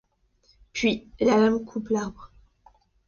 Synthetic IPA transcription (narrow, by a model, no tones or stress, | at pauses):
pɥilalamkʰuplaʁbʁ